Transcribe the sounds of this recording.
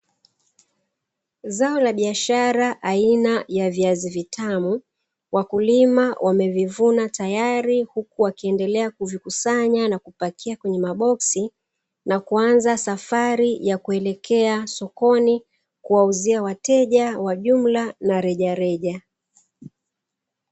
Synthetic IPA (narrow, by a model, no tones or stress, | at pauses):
zaɔlaɓiaʃaɾaʔainajaviazivitʰamu | wakulimawʔamɛvivunatajaɾihukuwakiɛndɛlɛakuvikusaɲanakupakʰiakwɛɲɛmaɓɔksi | nakuanzasafaɾijakuɛlɛkʰɛasɔkɔni | kuwauziawatɛʄawaʄum̩lanaɾɛʄaɾɛʄa